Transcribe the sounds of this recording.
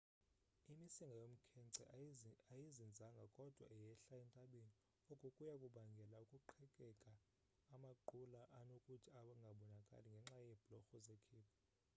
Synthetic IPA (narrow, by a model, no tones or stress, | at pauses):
imisiŋɡajom̩kʰɛnǀɛajizind͡zʱaŋɡʱakʼɔd̥ʱwa̰ijɛɬaɛntʼaɓeni | ɔkʼukʼujakʼuɓaŋɡʱɛlaukʼuǃʰɛkʼɛkʼaː | maǃulaʔanokʼutʰiaɓaŋɡʱaɓɔnakʼa̰liŋɡʱɛŋ͡ǁajɛb̥ʱlɔxɔzekʰiːpʰɔ